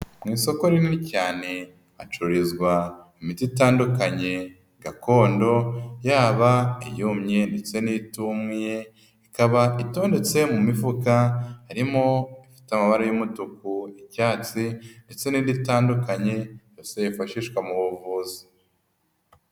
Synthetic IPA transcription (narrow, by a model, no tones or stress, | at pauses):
mŋiːso̞ko̞ɾiinicaːne̞ | at͡ʃuɾizɡwaimititaːndukaɲe̞ | ɡako̞ːndo̞jaːβaḭjuːmɲe̞nde̞t͡se̞nitumŋije | ikaβaʔito̞ːnde̞t͡se̞mumivukahaɾimo̞ifi̥tamaβaɾajumutukuicaːt͡sinde̞t͡se̞niditaːndukaɲe̞ | osejifaʃiʃkwamuβuvuːzi̥